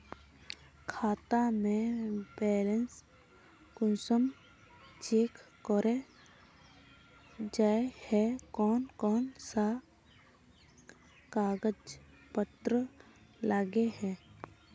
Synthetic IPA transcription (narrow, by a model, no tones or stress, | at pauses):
kʰaːt̪amẽbɛːləns | kʊnsəm | t͡ʃeːk | kɔɾe | d͡ʒaːehɛkɔːnkɔːnsa | kaːɡəd͡ʒ | pət̪ɾəlaɡeɦɛ̃ː